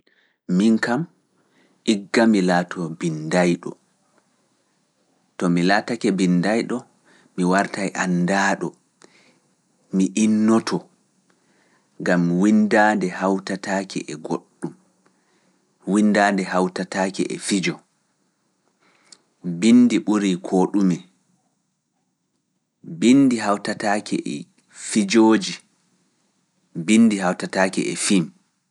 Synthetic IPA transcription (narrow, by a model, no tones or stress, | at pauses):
miŋkam | ʔiɡːamilaːtʰɔbindajɗɔ̰ | tɔmilatakɛbindajɗɔ | miwaɾtajʔandaːɗɔ | miʔinːɔtʰɔ | ŋɡamwindadɛhawtataːkɛ̰ʔɛɡoɗːum | windaːndɛhawtataːkɛʔɛ̰fid͡ʒɔ | bindiɓuɾikʰoːɗumɛ | bindiɦawtatakʰɛ̰ʔɛ̰ | fid͡ʒoːd͡ʒi | bindihawtataːkɛʔɛfim